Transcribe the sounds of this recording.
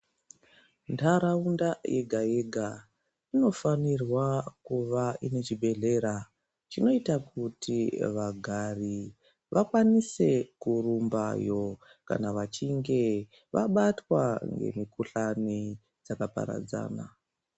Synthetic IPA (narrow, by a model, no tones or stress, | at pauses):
ntaɾaundajeɡʱaje̞ɡʱa | ino̞fanirwakuʋaʔine̞t͡ʃibe̞ɮe̞ɾa | t͡ʃino̞itakutʰiʋaɡʱari | ʋʔakwanise̞kurumbajo̞ | ka̰naʋat͡ʃiŋɡe̞ | ʋaɓatwaŋɡe̞̰mikuɬani | d͡zakapa̰ɾa̰d͡za̰ːna̰